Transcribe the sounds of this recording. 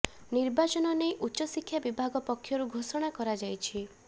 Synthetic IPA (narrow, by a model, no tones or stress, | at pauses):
niɾbat͡ʃɔnɔnejʔutːʃɔsikʰːjabibʱaɡɔpɔkʰːjɔɾuɡʱosɔɽ̃akɔɾad͡ʒajt͡ʃʰi